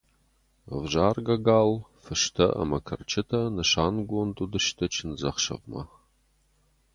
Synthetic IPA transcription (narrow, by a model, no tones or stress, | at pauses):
vʒaːrɡɐɡaːlfɨʃtʰɐ̰ʔɐ̰mɐkʰɐ̰rt͡ʃʰɪtʰɐnɐʃaːnɡʷontʼudɨʃtʰɐt͡ʃʰɪnzɐχʃɐ̰ʁmɐ̰